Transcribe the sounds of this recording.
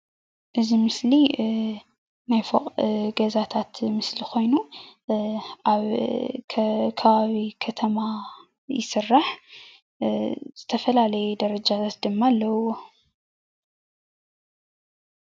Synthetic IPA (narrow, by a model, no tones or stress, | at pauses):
ʔɨzimɨsli | najfo̰qʼɡɐzat̪ʰat̪mɨslixo̞jnu | ʔaβʰ | kʰɐβaβikʰɐt̪ʰɐma | jɪ̰sɨrːaħ | z̥ɨt̪ʰɐfɐlalɐjud̪ɐɾɐd͡ʒat̪ʰat̪̚d̪ɨmːalːɐo